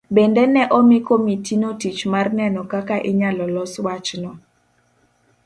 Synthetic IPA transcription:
bɛndɛnɛʔɔmikomitinotit͡ʃmarnɛnɔkakaʔɪɲalɔlɔswat͡ʃnɔ

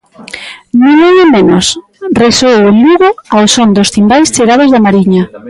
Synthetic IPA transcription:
nĩŋẽŋemenos | resowʊluɣʊaosond̪ost̪imbajst͡ʃeɣaðʊzðamaɾiɲa

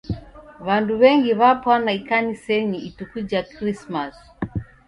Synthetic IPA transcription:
βanduβɛŋɡiβapwanaikanisɛɲiitukud͡ʒakɾismas

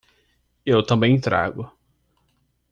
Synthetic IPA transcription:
ewt̪ɐ̃mbẽj̃t̪ɾa̰ɡʊ

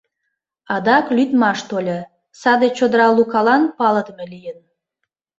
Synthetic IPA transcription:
ɑd̪ɑklyt̪mɑʃt̪olʲe | sɑd̪et͡ɕod̪əɾɑlukɑlɑnpɑləd̪əmelijən

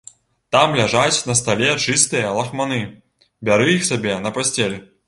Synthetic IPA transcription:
t̪amlʲaʐat͡sʲnɐst̪alʲɛt͡ʂɨst̪ɨjɐlˠɐxmanɨ | bʲaɾɨixsʲabʲɛnɐpasʲt͡sʲelʲ

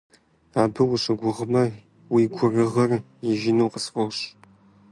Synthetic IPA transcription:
aːbɨwʊɕɨɡʷʊʁmɐ | wiɡʷʊrɨʁɐr | jɛʒɪnuːqəsfowɕ

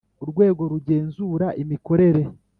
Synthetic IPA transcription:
uɾɡwe̞ːɡo̞ɾuɟe̞ːnzuːɾaʔimiko̞ɾe̞ɾe̞

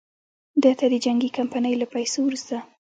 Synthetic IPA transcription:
d̪ət̪ad̪əd͡ʒaŋɡikampanəjlapajsowɾust̪a

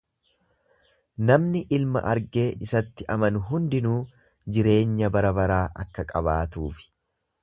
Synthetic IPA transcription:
nɐmnɪʔɪlmɐ̰ʔɐɾɡe̞ːɪsɐt̪ːɪʔɐmɐnʊɦʊnd̪ɪnuː | d͡ʒɪɾe̞ːɲːɐbɐɾɐbɐɾaːʔɐkːɐkʼɐβaːt̪uːfɪ̥

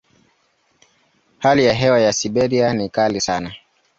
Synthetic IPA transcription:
halijaɦɛwajasiɓɛɾianikalisana

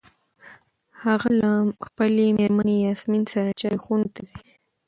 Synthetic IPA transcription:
haɣalamxpəlemeɾmanejɑsminsaɾat͡ʃɑjxunt̪ad̪i

